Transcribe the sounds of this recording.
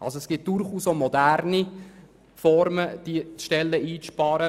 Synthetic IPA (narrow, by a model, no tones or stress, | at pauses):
ʔɑ̰lsoɛsɡ̥ɪt̚d̥ʊɾχuːsomɔdærni | fɔɾməd̥it͡sʃtɛlːəʔiːt͡sʃpɑːɾə